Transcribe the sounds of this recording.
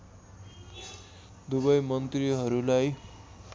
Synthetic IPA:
d̪uβʌjmʌnt̪riɦʌɾulaj

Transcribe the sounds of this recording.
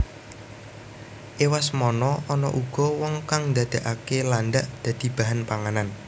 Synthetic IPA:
ʔewasmɔnɔʔɔnɔʔuɡ̥ɔ̤wɔŋkaŋnd̪ad̪̥a̤ʔakelanɖ̪aʔd̪̥ä̤d̪̥i̤b̥a̤ɦanpaŋanan

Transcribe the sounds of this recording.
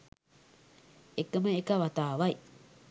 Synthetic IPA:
ekːɐmɐekɐʋɐt̪aːʋɐj

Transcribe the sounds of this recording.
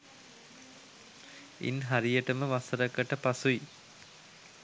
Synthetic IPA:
ḭnɦaɾijəʈəməʋasəɾəkːəʈəpasui

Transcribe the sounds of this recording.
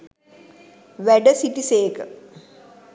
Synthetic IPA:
ʋɛɖɐsiʈiseːkə

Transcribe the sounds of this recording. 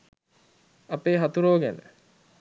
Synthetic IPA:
ɐpeːɦɐt̪uɾoːɡænə̰

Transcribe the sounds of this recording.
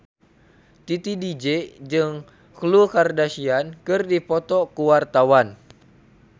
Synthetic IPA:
t̪it̪idid͡ʒed͡ʒɨŋ | klukardasiankɨrdipɔt̪ɔkuwart̪awan

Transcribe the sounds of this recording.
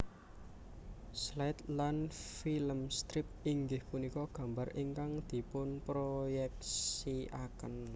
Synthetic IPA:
slaɪt̪lanfiləmst̪ɾɪp̚iŋɡɪhpunikɔɡ̥ä̤mbariŋkaŋd̪̥i̤pʊnpɾojɛk̚siakən

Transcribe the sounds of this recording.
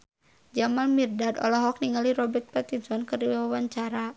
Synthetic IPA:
d͡ʒamanmirdadɔ̰lɔɦɔk̚niŋaliɾɔbɛrt̪̚pat̪insɔnkɨrdiwawawaɲt͡ʃaɾa

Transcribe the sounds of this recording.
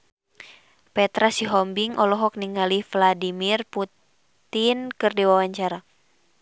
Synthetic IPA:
pɛt̪ɾasiɦɔmbiŋɔlɔɦɔk̚niŋalifladimirput | t̪inkɨrdiwawaɲt͡ʃaɾa

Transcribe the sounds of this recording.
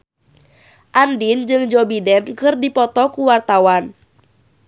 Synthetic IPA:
ʔandind͡ʒɨŋd͡ʒɔbidɛnkɨrdipɔt̪ɔkuwart̪awan

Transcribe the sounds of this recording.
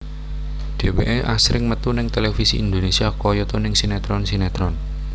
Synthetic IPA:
d̪̥e̤wḛʔeʔasɾɪŋmət̪unɪŋt̪elefisiind̪onesiakɔjɔt̪ɔnɪŋsinɛt̪ɾɔnsinɛt̪ɾɔn

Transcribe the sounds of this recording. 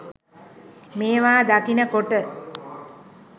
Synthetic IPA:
meːʋaːd̪akinəkoʈə

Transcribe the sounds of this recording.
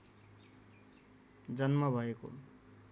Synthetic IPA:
d͡zʌnmʌbʱʌeko̰

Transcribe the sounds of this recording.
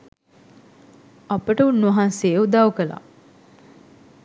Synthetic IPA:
ɐpəʈəunːuɐɦanseːud̪awkəla̰

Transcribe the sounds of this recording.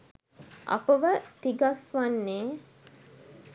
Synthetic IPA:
ʔa̰pəʋət̪iɡasʋanːeː

